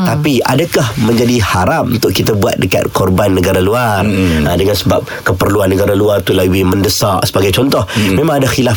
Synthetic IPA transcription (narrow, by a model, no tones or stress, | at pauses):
t̪apia̰dakahmə̃ɲd͡ʒadihaɾap̚unt̪ʊʔkit̪abua̰t̪̚dəka̰t̪̚kɔrbanːəɡaɾaluarədəŋansəba̰p̚kəpərluanːəɡaɾaluart̪ulawiməndəsaʔsəbaɡajt͡ʃɔnt̪ɔhmẽmãŋadaxila